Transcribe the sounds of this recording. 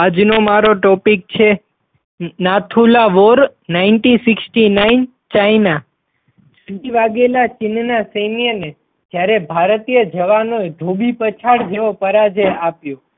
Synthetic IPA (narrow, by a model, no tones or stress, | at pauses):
ad͡ʒnomaɾoʈɔpik̚t͡ʃʰe | nat̪ʰulaʋoɾnainʈĩsɪksʈinain | t͡ʃaina | siʋaɡelat͡ʃɪnnasemijəne | d͡ʒjaɾebʱaɾt̪ijəd͡ʒəʋanoed̪ʱobipət͡ʃʰaɽd͡ʒeʋopəɾad͡ʒeapjõ